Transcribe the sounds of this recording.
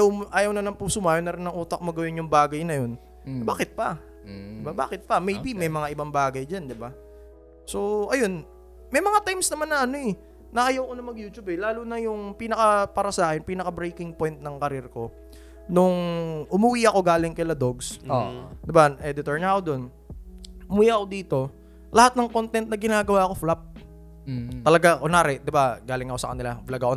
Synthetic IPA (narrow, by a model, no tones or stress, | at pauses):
jɐwʔaːjɐwnɐlɐmpʊsʊmaːjonɐɾɪnːɐŋʔuːt̪ɐk̚mɐɡɐwɪnjʊŋbaːɡɐjnɐjo̞n | baːkɪt̪̚pɐ | d̪ɪbaba̰ːkɪt̪̚pɐmejbimɐjmɐŋaʔɪbaŋbaːɡɐjd͡ʒand̪ɪba | so̞ʔɐjo̞n | mɐjmɐŋat̪ajmsnɐmanːɐʔɐnoɛ | nɐʔɐjɐwko̞nɐmɐɡjuːt͡ʃubɛlaːlunɐjʊŋpiːnɐkɐpaːɾɐsaːkɛnpiːnɐkɐbɾejkɪŋpo̞jnt̪̚nɐŋkɐɾɪɾko̞ | nʊŋʔʊmɐwiːʔɐko̞ɡaːlɪŋkɐjlɐd̪o̞ɡsod̪ɪbanʔɛd̪ɪt̪oɹɲɐko̞d̪o̞n | muːjaʔɐko̞d̪iːt̪o̞ | lɐhat̪̚nɐŋkont̪ɛnt̪̚nɐɡɪnaːɡɐwaːɐko̞flap̚ | t̪ɐlɐɡaʔonaːɾɛd̪ɪbaɡaːlɪŋɐko̞sɐ̰kɐ̰nɪlavlɐɡɐko